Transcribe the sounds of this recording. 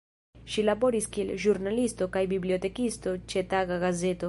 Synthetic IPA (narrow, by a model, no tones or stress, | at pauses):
ʃilaboɾiskilʒuɾnalist̪okajbibliot̪ekist̪ot͡ʃet̪aɣaɣazet̪o